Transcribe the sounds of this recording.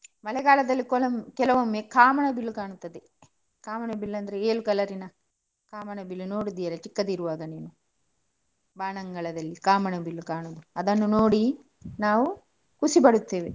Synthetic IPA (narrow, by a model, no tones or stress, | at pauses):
mɐlɛɡaːlɐd̪ɐlːikɔlɐmkɛlɐʋɐmːeːkaːmɐɳɐbilːukaːɳut̪ːɐd̪e | kaːmɐɳɐbilːɐnd̪ɐɾeeːlukɐlɐɾinɐ | kaːmɐɳɐbilːuno̞ːɽid̪ijɐlɐt͡ʃikːɐd̪iɾuʋaːɡɐniːnu | baːɳɐŋɡɐɭɐd̪ɐlːikaːmɐɳɐbilːukaːɳod̪uɐd̪ɐnːunoːɽi | naːʋu | kusibɐɽut̪ːeːʋe